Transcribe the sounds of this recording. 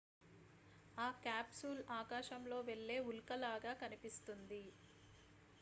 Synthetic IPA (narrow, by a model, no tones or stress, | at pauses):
aːkaːpsulaːkaːʃɐmlo̞ːʋe̞ɭːe̞ːulkɐlaːɡaːkɐnipist̪und̪i